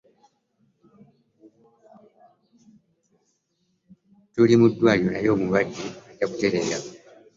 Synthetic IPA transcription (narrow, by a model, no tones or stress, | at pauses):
tulimudwaːjonajoːmuβaɟiɟakuteɾeɾa